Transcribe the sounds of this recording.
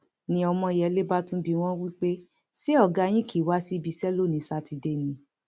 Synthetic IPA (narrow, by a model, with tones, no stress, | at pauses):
nĩ˧ɔ˧mɔ̃˧i˨jɛ˧˦le˦ba˦tũ˦bi˧w̃ɔ̃˦wi˦k͡pe˦ | si˦ɔ˦˨ɡa˧˦j̃ĩ˦kʰi˦˨wa˦si˦bi˨˧sɛ˦lo˦˨nĩ˨˦sa˦ti˧de˦˨nĩ˨˧˦